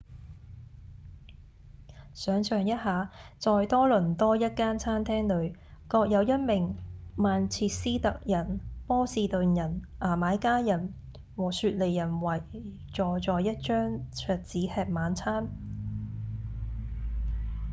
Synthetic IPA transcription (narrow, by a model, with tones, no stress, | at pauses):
sœː˨˧ŋsœː˨˧ŋjɐ˥t̚haː˨˧t͡sɔː˧jt̪ɔː˥lɵ˨˩nt̪ɔː˥jɐ˥t̚kaː˥nt͡sʰaː˥nt̪ʰɛː˥ŋlɵ˨˧ɥkɔː˧k̚jɐ˨˧wjɐ˥t̚mɪ˨˩ŋmaː˨˧nt͡sʰiː˧t̚siː˥t̪ɐ˨k̚jɐ˨˩npɔː˥siː˨˧t̪ɵ˨˧njɐ˨˩nʔaː˨˩maː˨˥jkaː˥jɐ˨˩n | wɔː˨˩syː˧t̚le˨jːɐ˨˩nwɐ˨˩j | t͡ʃɔː˨˩t͡sɔː˨jjɐ˥t̚t͡ʃœː˥ŋt͡sʰœː˨˧t̚t͡siː˨˥hɛː˧t̚maː˨˥nt͡sʰaː˥n